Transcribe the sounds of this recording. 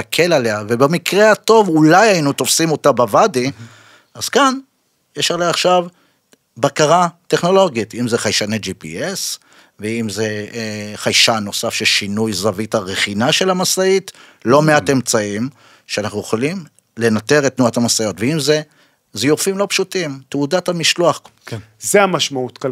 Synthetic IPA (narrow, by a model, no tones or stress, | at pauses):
akʰe̞laleavebemikʁehato̞vulajainuto̞fsimo̞tabavadi | az̥kan | jeʃaʁleaːχʃav | bakaʁate̞χno̞lo̞ɡitimzeχajʃaned͡ʒipḭes | veimze̞χajʃano̞safʃelʃinujzavithaʁeχinaʃe̞lamasait | lo̞meate̞mt͡saim | ʃeanaχnujoχolim | le̞nate̞ʁetːnuathamasajo̞tveimze | zijofimlo̞pʃutimteudathamiʃluaχ | zeamaʃmautk